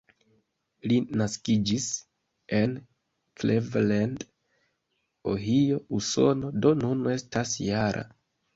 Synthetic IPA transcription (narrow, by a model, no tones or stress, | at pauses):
linaskid͡ʒis | e̞n | klevland | o̰ɦio̞uso̞̰no̞do̞nune̞stasjaɾʔa̰